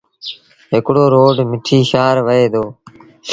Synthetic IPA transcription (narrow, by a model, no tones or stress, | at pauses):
ɦɪkɽoːɾoːɖmɪʈʰiːʃaːɾʋəeːd̪oː